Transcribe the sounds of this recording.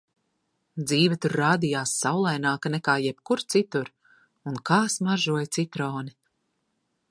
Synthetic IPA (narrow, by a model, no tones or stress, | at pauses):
d̪ziːvʲɛt̪uɾːaːd̪ijaːsːawlˠajnaːkanɛkaːjɛp̚kuɾt̪sit̪uɾ | unkaːsmaʒuɔjt̪sit̪ɾɔːni